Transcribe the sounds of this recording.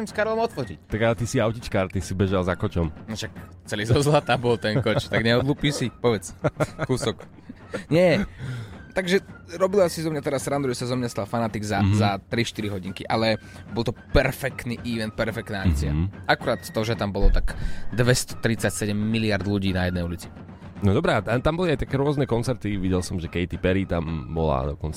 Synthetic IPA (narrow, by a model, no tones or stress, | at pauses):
sɛmskaɾlɔmɔt̪fɔcḭct̪aɡalɛt̪isiaʊcit͡ʃkaːɾt̪isibɛʒalzakɔt͡ʃɔmnɔʃak | t͡sɛliːzɔzlat̪aːbɔlt̪ɛŋkɔt͡ʃt̪aɡɲɛɔd̪luːpiːsipɔʋɛt͡skuːsɔk | ɲɛ | t̪aɡʒɛɾɔbilasizɔmɲat̪ɛɾasɾand̪uʒɛsazɔmɲast̪alfanat̪iɡzazat̪ɾiʃt̪iɾiɦɔɟiŋkiʔalɛbɔlˠt̪ɔpɛɾfɛkt̪niːʔiʋɛnt̪̚pɛɾfɛkt̪naːakt͡sia̰ʔakuɾaːt̪ːɔʒɛt̪ambɔlɔt̪aɡd̪ʋɛst̪ɔ̥t̪ɾit͡sacsɛɟɛmːiliaɾd̪luɟiːnajɛd̪nɛjulit͡si̥ | nɔd̪ɔbɾɛat̪at̪ambɔliajt̪akɛːɾʊɔznɛkɔnt͡sɛɾt̪iʋiɟɛlsɔmʒɛkɛɪt̪ipɛɾit̪ambɔla̰d̪ɔkɔnt͡sa